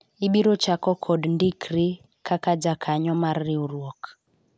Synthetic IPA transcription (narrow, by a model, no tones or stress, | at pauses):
iɓiɾɔt͡ʃakɔkʰɔdndikɾi | kakad͡ʒakʰaɲɔmarːiuɾwɔk